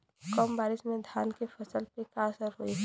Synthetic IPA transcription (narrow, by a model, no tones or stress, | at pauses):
kɔːmbaːɾɪʃmẽd̪ʱaːnkefʰɐsəlpekasəɾɦʊi